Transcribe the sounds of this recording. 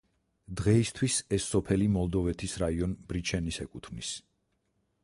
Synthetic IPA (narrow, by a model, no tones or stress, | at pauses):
d̪ʁɛist̪ʰwisɛsːɔpʰɛlimɔlˠd̪ɔvɛt̪ʰisɾaiɔnbɾit͡ʃʰɛnisɛkʼut̪ʰmnis